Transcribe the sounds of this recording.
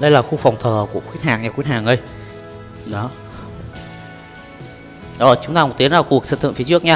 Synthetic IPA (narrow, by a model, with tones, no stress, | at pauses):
ɗə˧jlaː˨˩xu˧fa˨˩wŋ͡mt̪ʰəː˨˩ku˧˩əkwt̚haː˨˩ŋɲa˨˧˩kwi˦˥n̚haː˨˩ŋʔə˧j | ɗɔ˨˦ | ʔəː˨˩t͡ɕʊ˨˦ŋ͡mt̪aː˧k̚t̪i˨˦ənaː˨˩ku˨˩ək̚sə̰ː˧˨t̪ʰɨ̰˧˨ŋfi˨˦t͡ɕɨ˦˥ək̚ɲa˧